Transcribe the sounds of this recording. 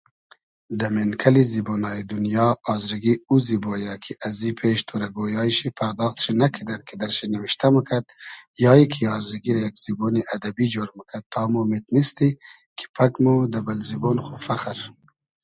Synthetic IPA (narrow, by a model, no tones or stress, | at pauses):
d̪ɐmenkʰɐlizibonɑːjid̪unjɑːzɾiɡiuzibojakʰiʔazipʰeʃt̪ʰoɾɐɡojɑːʃipʰɐɾd̪ɑːxt̪ʃinakʰid̪ad̪̚kʰid̪ɐɾʃinɐwiʃt̪aməkʰɐd̪̚jɑːikʰiɑːzɾiɡiɾɐjakz̥iboniʔɐd̪ɐbid͡ʒoːɾməkʰad̪̚t̪ʰːɑːmomet̪nist̪i | kʰi̥pʰɐkmud̪ɐbalzibonxofaqəɾ